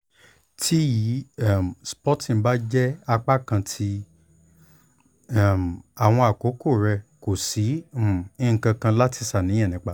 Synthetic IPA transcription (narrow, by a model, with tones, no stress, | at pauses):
tʰi˦ji˨˦a˦˨m˨spɔ˦tĩ˨˦ba˦d͡ʒɛ˦a˧k͡pa˦kã˧tʰi˧ | a˦˨m˨a˨w̃ɔ̃˧a˨ko˨˦ko˦˨ɾɛ˧ko˨si˨˦˨i˦ŋ̩˨kã˧kã˧la˦ti˧˦sa˦˨nĩ˨˦ã˦˨nĩ˨˦k͡pa˦˨